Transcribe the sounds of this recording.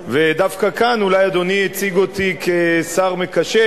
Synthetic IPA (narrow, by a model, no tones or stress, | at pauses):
ved̪afkakanulajad̪o̞niet͡siɡot̪ikesaʁmekaʃe